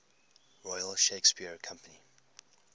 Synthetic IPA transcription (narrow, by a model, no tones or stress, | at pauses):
ɹɔɪəlʃeɪkspiəɹkʰʌ̃mpəni